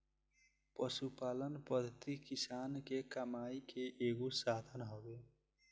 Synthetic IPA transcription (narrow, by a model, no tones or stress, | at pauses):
pəsupaːlənpəd̪ʱət̪ikisankekəmaikeʔeːɡosad̪ʱənɦobe